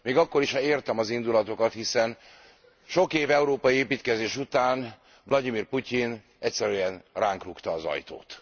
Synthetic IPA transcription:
meːɡɒkːo̞ɾiʃhɒeːrt̪ɛmɒzind̪ulɒt̪o̞kɒt̪hisɛn | ʃo̞keːvɛuɾoːpɒjieːpiːt̪kɛzeːʃut̪aːn | vlɒɟ̪imiːrpucin | ɛcʲsɛɾyːɛnraːŋkrukt̪ɒːzɒ̰jt̪o̰ːt̪

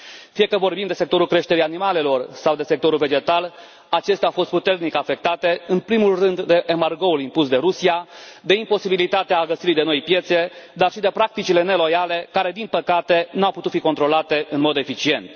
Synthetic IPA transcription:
fije̞kəvo̞rbimd̪e̞sek̚t̪oɾulkɾe̞ʃt̪eɾijanimale̞lo̞rsawd̪e̞se̞k̚t̪o̞ɾulve̞d͡ʒe̞t̪al | at͡ʃe̞st̪eafo̞st̪put̪e̞rnikafe̞k̚t̪at̪e̞ɨnpɾimulrɨnd̪ːe̞ʔemarɡo̞ulimpusd̪e̞ɾusiad̪e̞impo̞sibilit̪at̪eaːɡəsiɾid̪e̞no̞jpje̞t̪se̞d̪arʃid̪e̞pɾak̚t̪it͡ʃile̞ne̞lo̞jale̞kaɾe̞d̪inpəkat̪e̞nuawput̪ut̪fiko̞nt̪ɾo̞lat̪e̞ɨnmo̞d̪e̞fit͡ʃie̞nt̪

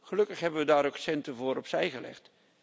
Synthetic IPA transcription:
χəlɵkəχɦɛbənʋədaːɾoksɛntəvʊːɾɔpsɛjχəlɛ̰χt

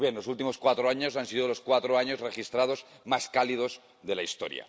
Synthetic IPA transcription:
jenlo̞sult̪imo̞skwat̪ɾoaɲo̞sansiðolo̞skwat̪ɾoaɲo̞zre̞xist̪ɾað̞o̞z | maskalið̞o̞z | ðe̞laist̪o̞̰ɾja̰

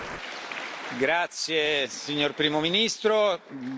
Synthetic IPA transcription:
ɡɾat̪sjesiɲːorpɾiːmominist̪ɾo

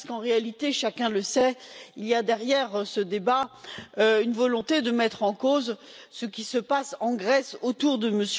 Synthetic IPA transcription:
skɑ̃ʁealit̪eʃakʲɛ̃ləsɛilijad̪ɛʁjɛʁsəd̪ebaøynvɔlɔ̃t̪ed̪əmɛt̪χɑ̃koz | səkʲisəpasɑ̃ɡʁɛsot̪uʁd̪əməs

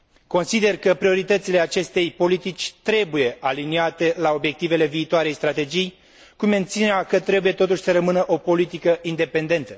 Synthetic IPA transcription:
ko̞nsid̪e̞rkəpɾio̞ɾit̪ət̪sile̞at͡ʃe̞st̪e̞jpo̞lit̪it͡ʃʲt̪ɾe̞buje̞ʔaliniat̪e̞lao̞bje̞k̚t̪ive̞le̞viːt̪oaɾe̞jst̪ɾat̪e̞d͡ʒij | kume̞nt̪sineɾakət̪ɾe̞buje̞t̪o̞t̪uʃʲsəɾəmɨnəʔo̞po̞lit̪ikəind̪e̞pe̞nd̪e̞nt̪ə

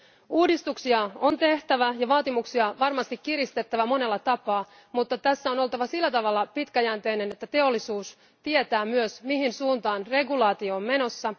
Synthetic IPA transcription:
uːdist̪uksiɑo̞nt̪e̞ht̪æʋæjɑʋɑːt̪imuksiɑʋɑrmɑst̪ikkirist̪e̞t̪ːæʋæmo̞nelːɑt̪ɑpɑː | mut̪ːɑt̪æsːæo̞no̞lt̪ɑʋɑsilːæt̪ɑʋɑlːɑpit̪kæjænt̪e̞ine̞net̪ːæt̪e̞o̞lːisuːs | t̪iet̪æːmyøsmiɦinsuːnt̪ɑːnre̞ɡulɑːt̪io̞ːmme̞no̞sːɑ

